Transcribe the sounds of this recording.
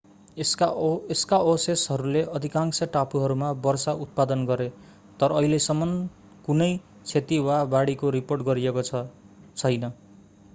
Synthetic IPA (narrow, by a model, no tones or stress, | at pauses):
eskaosesɦʌɾuleʔʌd̪ʱikaŋksʌʈapuɦʌɾumabʌrsaut̪̚pad̪ʌnɡʌɾe | t̪ʌɾʌːɦilesʌmːʌn | kunʌj | t͡sʰet̪iwabaɽikoɾiporʈɡʌɾiekoʌ | t͡sʰʌjnʌ